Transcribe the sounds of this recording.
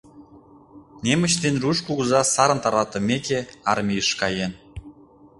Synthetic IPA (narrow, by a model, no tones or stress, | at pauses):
nemə̆t͡ɕd̪enruʃkuɣuzɑsɑɾə̆nt̪ɑɾɑt̪ə̆mʲekeɑrmʲijəʃkɑjen